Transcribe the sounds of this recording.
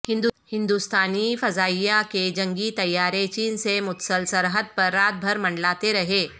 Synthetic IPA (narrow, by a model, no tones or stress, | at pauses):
hɪ̃nd̪hɪ̃nd̪ust̪aːnifɐzaːijaked͡ʒɐ̃ŋɡit̪ɐjːaːɾet͡ʃiːnsemʊt̪səlsɐɾɦəd̪̚pɐɾːaːt̪̚bʱɐɾmɐ̃ɳɖlaːt̪eɾɐɦeː